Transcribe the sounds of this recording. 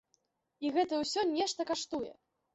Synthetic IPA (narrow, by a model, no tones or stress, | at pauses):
iɣɛt̪ɐwsʲɔnʲɛʂt̪ɐkaʂt̪ujɛ̰